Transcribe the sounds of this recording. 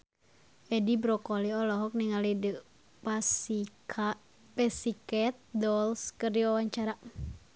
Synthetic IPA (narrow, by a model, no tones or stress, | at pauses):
ʔɛdibɾɔkɔliɔlɔɦɔk̚niŋalidə | p | pɛsikɛt̪̚dɔlskəriawaɲt͡ʃaɾa